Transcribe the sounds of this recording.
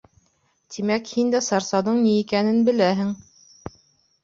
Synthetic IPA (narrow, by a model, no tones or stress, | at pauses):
t̪imækhind̪æsɑɾsɑðɤɴniːkænɘnbɘ̆læɦɘŋ